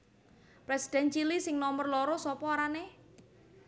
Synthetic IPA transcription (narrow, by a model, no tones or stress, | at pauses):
pɾesi̥d̥ɛnt͡ʃilisɪŋnɔmərlɔɾɔsɔpɔːɾane